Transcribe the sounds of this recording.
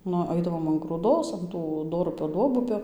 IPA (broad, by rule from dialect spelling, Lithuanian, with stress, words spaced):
ˈnʊ ˈɐɪdɐʋoːm ɐn ɡruːˈdoːs ɐn ˈtuː ˈdoːrʊpʲoː ˈduɔbʊpʲoː